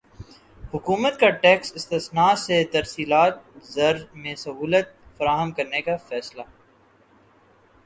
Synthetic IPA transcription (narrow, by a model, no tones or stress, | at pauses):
hʊkuːmət̪̚kaʈɛːksɪst̪ɪsnaːset̪ɐɾsiːlaːt̪̚zɐɾmẽsɐɦuːlət̪̚fɐɾaːɦəmkɐɾnekafɛːsla